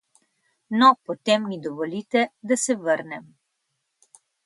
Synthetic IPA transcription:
nɔpɔt̪emnid̪ɔʋɔlit̪ɛd̪asɛʋəɾnɛm

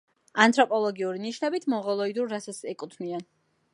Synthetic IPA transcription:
ant̪ʰʼɾɔpʼɔlˠɔɡiuɾiniʃnɛbit̪ʰmɔʁɔlˠɔid̪uɾːasat̪sɛkʼut̪ʰnian

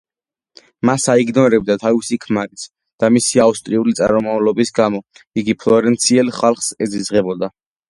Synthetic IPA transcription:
masaiɡnɔɾɛb̚d̪at̪ʰavisikʰmaɾisʰ | d̪̥amisiaust̪ʼɾiulit̪sʼa̰ɾɔmavlɔbisɡamɔiɡipʰlɔɾɛnt̪sʰiɛlχalˠχsɛzizʁɛbɔd̪a

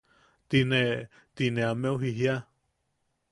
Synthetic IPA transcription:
t̪ine | t̪inẽamẽuɦiɦia

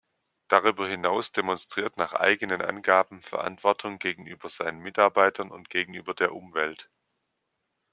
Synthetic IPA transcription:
d̥aʁ̞yːbɐhɪnaʊsd̥emɔnstʁ̥iːɐtnaːχʔa̰ɪɡənənʔa̰nɡaːbm̩fɛɐʔa̰ntv̥ɔɐtʰʊŋɡeːɡŋ̩ʔyːbɐz̥aɪnənmɪtaɐbaɪtʰɐnʊ̰ntɡ̥eːɡŋ̩ʔyːbɐdeːɐʔʊmvɛlt

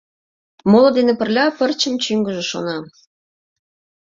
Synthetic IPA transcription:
molŏd̪enĕpə̆rlʲɑpə̆rt͡ɕə̆mt͡ɕyŋɡə̆ʒĕʃo̰nɑ

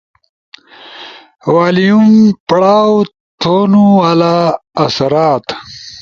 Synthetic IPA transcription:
waːlijumpɽaːw | t̪ʰonualaːsaɾaːt̪

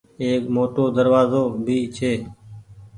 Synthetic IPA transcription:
eːkmoːʈoːd̪əɾʋaːzoːbʱiːt͡ʃʰeː

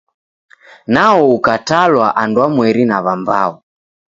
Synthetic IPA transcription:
naɔukatalwaʔandwamwɛɾinaβamba̰ɔ

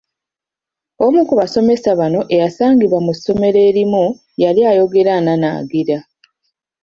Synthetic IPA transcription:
omukuβaso̞me̞saβano̞ʔe̞jasaːŋɡiβwamuso̞me̞ɾe̞ːɾimu | jaljajo̞ɡe̞ɾanana̰ːɡiɾa

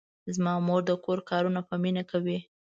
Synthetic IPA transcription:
zmɑmoɾd̪əkoɾkɑɾunapəminakʰawi

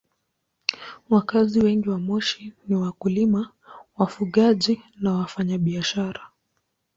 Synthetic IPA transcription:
wakaziwɛŋɡiwamɔʃiniwakulima | wafuɠaʄinawafaɲaɓiaʃaɾa

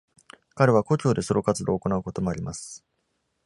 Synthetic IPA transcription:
kaɾeβ̞ako̞t͡ɕo̞ːd̪e̞so̞ɾo̞kat͡sɨd̪o̞ːko̞naɯ̟ko̞t̪o̞mo̞aɾʲimasɨ̥

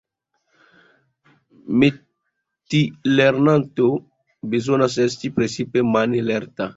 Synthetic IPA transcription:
me | t̪ileɾnãnt̪o | bezonas̬ɛst̪ipɾesipemanelɛrt̪a

